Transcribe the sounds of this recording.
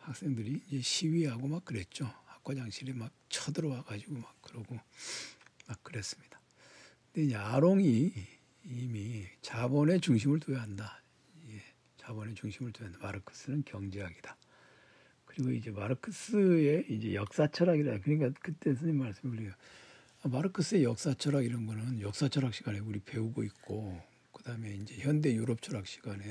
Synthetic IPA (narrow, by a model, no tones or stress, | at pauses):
hak̚s͈e̞ŋdɯɾiːnd͡ʑe̞ɕʰiɥiɦaɡomak̚k͈ːɯɾe̞t̚t͡ɕ͈ohḁk͈ʰʌd͡ʑaŋɕʰiɾemak̚t͡ɕʰʌdɯɾoaɡad͡ʑiɡomak̚k͈ːɯɾʌɡo | mak̚k͈ɯɾe̞s͈ɯ̥mɲid̥ḁ | kɯnde̞ind͡ʑe̞aɾoŋi | imit͡ɕabʌne̞t͡ɕuŋɕ̬ʰimɯɭtojaɦanda | ie | t͡ɕabʌne̞t͡ɕuŋɕʰimɯɭtojaɦandamaɾɯkʰɯ̥s͈ɯnɯnkjʌŋd͡ʑiɦaɡid̥a | kɯɾiɡoid͡ʑe̞maɾɯkʰɯs͈ɯe̞id͡ʑe̞̰jʌk̚s͈at͡ɕʰʌɾaɡiɾadakɯɲik̬͈akɯt͈e̞s̬ʰɯɲinmaɭs͈ɯmekɯɾiɡa | amaɾɯkʰɯs͈ɯe̞jʌk̚s͈at͡ɕʰʌɾaɡiɾʌnɡʌnɯnjʌk̚s͈at͡ɕʰʌɾɦak̚ɕ͈iɡane̞uɾipe̞uɡoik̚k͈o | kɯd̥aɯme̞ind͡ʑe̞çjʌnde̞juɾʌp̚t͡ɕʰʌɾak̚ɕ͈iɡane̞